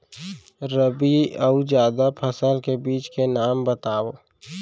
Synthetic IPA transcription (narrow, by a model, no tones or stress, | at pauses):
ɾəbiəud͡ʒjaːd̪apʰəsəlkebiːt͡ʃkenaːmbət̪aːo